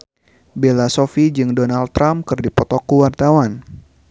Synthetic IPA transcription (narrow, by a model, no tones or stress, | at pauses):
belasofid͡ʒɨŋdɔnalt̪ːɾamkɨrdipɔt̪ɔkːuwart̪awan